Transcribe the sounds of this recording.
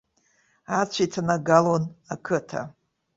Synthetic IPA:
at͡ɕʷʰitʰanaɡalonakʰɨtʰa̰

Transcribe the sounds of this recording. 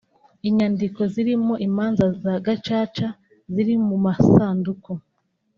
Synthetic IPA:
iɲandiko̞ziɾimo̞ʔimaːnzazaɡat͡ʃaːt͡ʃa | ziɾimumasaːnduko

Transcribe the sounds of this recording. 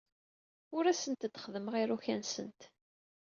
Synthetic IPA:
ʊɾæsənt̪d̪χəðəmʁiɾuçænsənt̪

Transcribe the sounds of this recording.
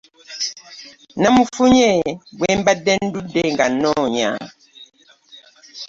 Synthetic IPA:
namufuɲɛbwɛmbadɛndudɛŋɡanɔɲa̰

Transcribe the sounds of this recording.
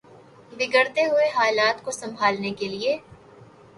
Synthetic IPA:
bɪɡəɾt̪eɦʊeɦaːlaːt̪kosɐ̃mbʱaːlnekelieː

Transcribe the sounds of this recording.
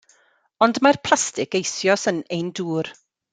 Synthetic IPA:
ɔndmarpʰl̥ˠastɪkejsjɔsənejnduːr

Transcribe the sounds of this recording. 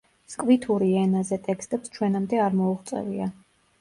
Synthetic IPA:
skʼvit̪ʰuɾiɛnazɛt̪ʼɛkst̪ʼɛpst͡ʃʰwɛnamd̪ɛaɾmɔuʁt̪sʼɛ̰vḭa

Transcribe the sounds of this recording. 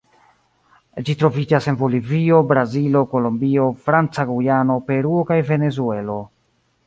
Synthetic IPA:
d͡ʒitɾo̞vid͡ʒase̞nvo̞livio̞bɾazilo̞ko̞lombio̞fɾant͡saɡujano̞pe̞ɾuokajve̞ne̞zue̞lo̞

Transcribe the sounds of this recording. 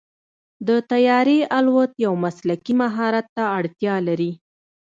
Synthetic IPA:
d̪ət̪ajɑɾealwət̪jawmaslakimaɦɑɾat̪ːaːɽt̪jɑlaɾi

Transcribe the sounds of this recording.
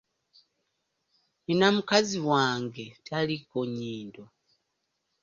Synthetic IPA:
enamukaziwaːŋɡe̞tʰalikoɲiːndo

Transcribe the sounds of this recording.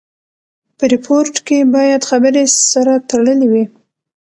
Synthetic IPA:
pəɾɪpʰoɾʈkebɑjad̪xabəɾesaɾat̪aɽəliwi

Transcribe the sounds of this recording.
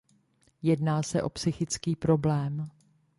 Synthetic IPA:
jɛdnaːsɛʔo̞psɪxɪt͡skiːpɾo̞blɛːm

